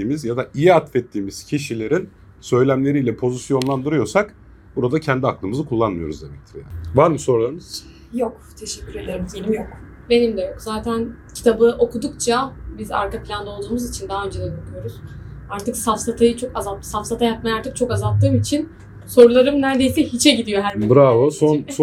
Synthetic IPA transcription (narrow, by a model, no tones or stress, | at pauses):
iːmizjad̪aʔijiat̪fɛt̪ʰːiːmiz̥cʰiʃilʲe̞ɾin | sø̞jlʲæmlʲe̞ɾijlʲɛpʰo̞zisjo̞nlˠand̪ɯɾɯjo̞ɾsak | b̥uɾad̪acʰɛnd̪iaklˠɯmɯzɯkʰulˠːanmɯjo̞ɾuzd̪emɛc̚t̪ʰɾɛja̰vaɾmso̞ɾulˠaɾɯnɯz̥ | jok | t̪ʰeʃɛcʰːyɾed̪eɾmzelʲimjok | be̞nimd̪ɛjo̞kzaːt̪ʰæncʰi̥t̪ʰabɯʔo̞kud̪ukt͡ʃʰabiza̰ɾkaplʲand̪ao̞lˠd̪uːmuzit͡ʃʰind̪aɦaø̞nd͡ʒed̪ɛɡ̪ølʰyjo̞ɾuz̥aɾt̪ʰɯksafsat̪ʰajɯt͡ʃʰo̞kazasafsat̪ʰajapmajaaɾt̪ʰɯk̚t͡ʃʰo̞kazalˠt̪ʰːɯːmit͡ʃʰin | so̞ɾulˠaɾɯmnæɾd̪e̞jsɛhit͡ʃʰɛɟid̪ijo̞ɦæɾibɾavɯsons